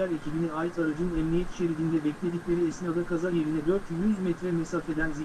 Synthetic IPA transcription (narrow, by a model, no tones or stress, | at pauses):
æɾecʰibiniaːjit̪ʰaɾad͡ʒɯnɯnɛmlʲijɛt̪ʰi̥ʃe̞ɾed̪iːnd̪ɛbɛclʲe̞d̪iclʲe̞ɾiesniad̪akʰazaɾje̞ɾinɛd̪ø̞ɾt̪ʰjyzmɛt̪ɾɛmɛsafe̞d̪ænzi